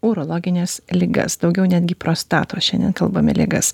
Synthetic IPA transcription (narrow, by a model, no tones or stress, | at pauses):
uːɾoːlˠoːɡʲɪnʲeːslʲɪɡɐ̰sd̪ɒʊɡʲɛʊnʲæːd̪ʲɡʲɪpɾoːst̪ɑ̰ːt̪oːʃʲɛnd̪ʲɛ̰nkɐlˠboːmʲɪ̰lʲḛɡɐ̰s